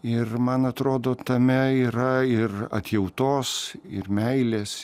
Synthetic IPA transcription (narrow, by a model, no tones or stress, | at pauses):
ɪrmɐnɐt̪ɾoːd̪oːt̪ɐmʲɛiːɾɐɪrɐ̰t̪ʲjɛʊt̪oːsɪ̰rmʲɛɪlʲeːs